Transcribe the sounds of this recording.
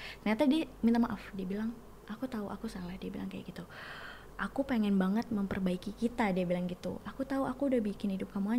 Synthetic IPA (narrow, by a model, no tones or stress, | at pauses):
t̪ərɲat̪adiamint̪amaʔafdiabilaŋ | ʔakut̪auʔa̰kusalahdiabilaŋkaja̰ɡit̪u | ʔakupeŋɛnbaŋət̪̚məmpərbaikikit̪adiabilaŋɡit̪ṵʔakut̪auʔakuːdahbikɪnhidʊp̚kamua